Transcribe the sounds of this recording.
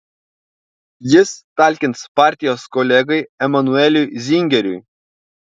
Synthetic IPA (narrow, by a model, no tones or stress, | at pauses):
jɪst̪ɐˑlʲkʲɪnt̪spɑˑɾʲt̪ʲɪjoːskɔlʲɛɡɐɪɛmɐnʊɛlʲujzʲɪŋʲɡʲɛɾʲʊj